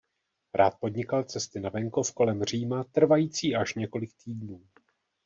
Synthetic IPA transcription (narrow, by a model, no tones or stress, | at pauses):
ɾʔaːt̪̚po̞dɲɪkalt͡sɛst̪ɪnavɛŋko̞fko̞lɛmr̝iːmat̪r̩vajiːt͡siːaʃɲɛko̞lɪk̚t̪iːdnuː